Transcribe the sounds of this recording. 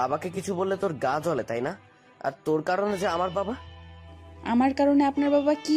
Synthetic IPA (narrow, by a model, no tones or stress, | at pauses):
abakekit͡ɕʰubolːet̪oɾɡad͡ʑolet̪ajna | a̰ɾt̪oɾkaɾoned͡ʑeamaɾbaba | a̰maɾkaɾoneapnaɾbabaki